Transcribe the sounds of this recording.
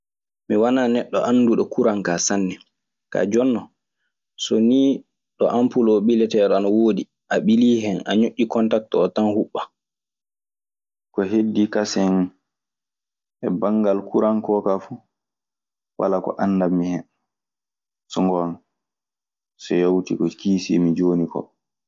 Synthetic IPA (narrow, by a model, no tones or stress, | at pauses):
miwananɛɗːɔʔanːduɗɔkuɾaŋkasanːɛ | ka̰d͡ʒɔnːɔ | sɔniː | ɗɔʔampulɔɓilɛtɛɗɔanawoːdi | ʔaɓiliːɦɛna̰ɲoʔːikɔntak̚tɔːtanhuɓːa | kɔɦedːikasɛn | ɛbaŋɡalkuɾankɔkafu | wa̰lakɔ̰ʔanːdamːihɛn | sɔŋɡɔan | sɔjawtḭkɔkiːsḭmid͡ʒoːnikɔ̰